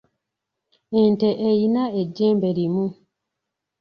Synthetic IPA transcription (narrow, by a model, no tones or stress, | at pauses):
enteʔejinaeɟːeːmbe̞ɾimu